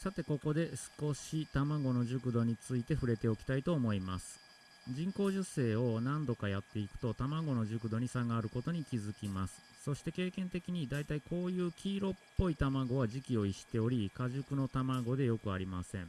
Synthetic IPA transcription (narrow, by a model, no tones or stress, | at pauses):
sat̪e̞ko̞ko̞d̪e̞sɨ̥ko̞ɕit̪amaɡo̞no̞ʑɨkɯ̟d̪o̞ɲ̟it͡sɨit̪e̞ɸɯ̟ɾe̞t̪e̞o̞kʲi̥t̪ait̪o̞ːmo̞imasɨ̥ | d͡ʑĩŋko̞ːʑɨse̞ːo̞nãnd̪o̞kajat̪ːe̞ikɯ̟̥t̪o̞t̪amaɡo̞no̞ʑɨkɯ̟d̪o̞ɲ̟isaɡaɾɯ̟ko̞t̪o̞ɲ̟ikʲizɨkʲimasɨ̥ | so̞ɕi̥t̪e̞ke̞ːkẽ̞nt̪e̞kʲiɲ̟id̪ait̪aiko̞ːjɯ̟ːkʲiːɾo̞pːo̞it̪amaɡo̞βaʑikʲio̞iɕi̥t̪e̞o̞ɾʲikaʑɨkɯ̟no̞t̪amaɡo̞d̪e̞jo̞kɯ̟aɾʲimasẽ̞ŋ